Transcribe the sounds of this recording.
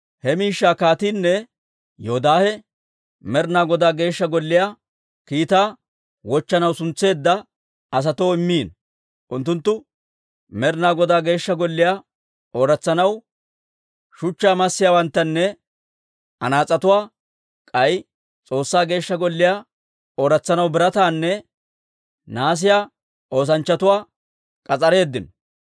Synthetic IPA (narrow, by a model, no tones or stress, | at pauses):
hɛmiːʃːaːkaːt̪iːnːɛ | jɔɔd̪aːhɛ | mɛɾnaːɡɔd̪aːɡe̞ːʃːɐɡɔlːɪjaː | kiːt̪aː | wɔt͡ʃːɐnɐwsʊnt͡sːe̞ːd̪ːɐ | ɐs̬ɐt̪oːɪmːiːn | ʔʊnt̪ːʊnt̪ːʊ | mɛɾnaːɡɔd̪aːɡe̞ːʃːɐɡɔlːɪjaː | ʔoːɾɐt͡sːɐnɐw | ʃʊt͡ʃːaːmɐsːɪjaːwɐnt̪ːɐnːɛ | ɐ̰naːt͡sʼɐt̪ʊwaː | kʼɐj | t͡sʼo̞ːsːaːɡe̞ːʃːɐɡɔlːɪjaː | oːɾɐt͡sːɐnɐwbɪɾɐt̪aːnːɛ | naːs̬ɪjaː | ʔo̞ːs̬ɐnt͡ʃːɐt̪ʊwaː | kʼɐt͡sʼɐɾe̞ːd̪ːɪn